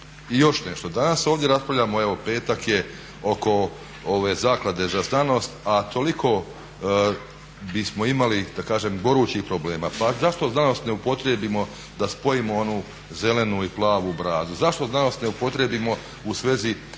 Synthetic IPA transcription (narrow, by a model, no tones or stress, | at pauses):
ijo̞ʃne̞ʃt̪o̞d̪anaso̞ːʋvd̪ʲje̞ɾaspɾaʋʎʲaːmoe̞ʋo̞pe̞ːt̪akje | o̞ko̞ | oʋezaːklˠad̪e̞zaznano̞ːst̪at̪ʰo̞likʰo̞ | bismo̞imalid̪̥akaːʒemɡo̞ɾuːt͡ʃihpɾoble̞ːmaːpazaʃt̪oznano̞st̪neupo̞t̪ɾebimo̞ | d̪aspo̞jimoonuː | ze̞le̞nuiplˠaːʋubɾaːzuzaʃt̪oznano̞ːst̪neupo̞t̪ɾebimo̞ | usʋe̞zi